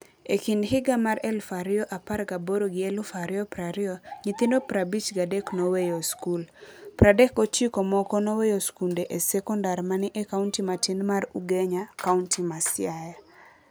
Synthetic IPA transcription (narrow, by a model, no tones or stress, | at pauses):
ekindɦɪɡamaɾɛlfaɾɪɔʔaparɡaboɾoɡɪɛlfaɾɪɔpɾaɾɪɔɲit̪indopɾabit͡ʃɡadɛknowejoskulpɾadɛkot͡ʃikɔmɔkɔnɔwejoskundeʔesɛkɔndaɾmanɪʔɛkauntimatinmaɾuɡɛɲakauntimasɪjaja